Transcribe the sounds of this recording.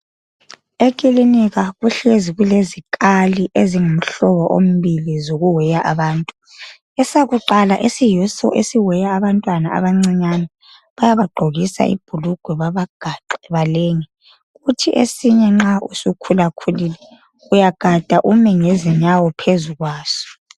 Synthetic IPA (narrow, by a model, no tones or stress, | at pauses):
ekʼiliniɣaɣuɬeziɣulezikʼaliʔeziŋom̩ɬɔβɔʔo̰m̩βilizoɣuwɛjaʔaβaːntʼu | ɛsaɣuǃalaʔesijusɔ̰ʔesiwɛjaːβantʼwanaa̰βaŋ͡ǀiɲanɛ | βajaβaɡ͡ǃʱoɣisa̰ʔḭb̥ʱuluɡ̥ʱwɛβaβaɡ̥ʱaǃɛβaleːŋɛ | ɣutʰiʔḛsiɲɛŋ͡ǁaṵsukʰulakʰuliːlɛ | ɣujaɡ̥ʱad̥ʱaʔumɛŋeziɲawɔpʰezuɣwaːsɔ̥